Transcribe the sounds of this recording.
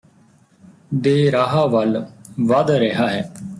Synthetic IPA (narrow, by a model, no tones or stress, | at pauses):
d̪eːɾaːɦaːʋəlʋəd̪ɾeɦaːɦɛː